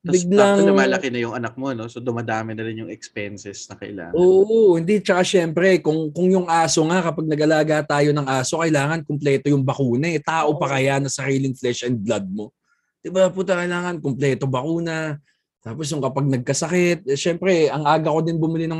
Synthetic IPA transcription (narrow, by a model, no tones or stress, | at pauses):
bɪɡlɐŋnɐmaːlɐkɪnɐjʊŋɐnɐk̚mo̞no̞sod̪ʊmad̪aːmɪnɐɾɪnjʊŋɛkspɛnsɛsnɐkɐ̰ʔɪ̰la̰ːŋʔoːʔohɪnd̪it͡ʃɐkaʃɛmpɾɛkʊŋkʊŋjʊŋʔaːso̞ŋakɐpaɡ̚nɐɡɐlaːɡat̪aːjo̞nɐŋʔaːso̞kɐʔɪlaːŋɐnkʊmplɛːt̪o̞jʊŋbɐkuːnɐɛt̪aːʔo̞pɐkɐjanɐsɐɾiːlɪŋflɛʃɛn̚blɐd̪̚mo̞ | d̪̥ɪbaput̪ɐkɐɪjlaːŋɐnkomplɛːt̪o̞bɐkuːnɐ | t̪aːpos̬jʊŋkɐpaɡ̚nɐɡ̚kɐsɐkɛt̪̚ʃɛmpɾɛʔɐŋʔaːɡɐko̞d̪ɪnbʊmɪlɪnɐŋ